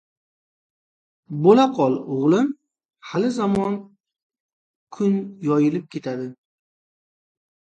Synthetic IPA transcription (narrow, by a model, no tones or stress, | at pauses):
bolaqʰɒlˠʊʁlˠɪm | halɪzamɒn | kʰʊnjɒjɪlɪp̚kʲʰe̞t̪ʰad̪ɪ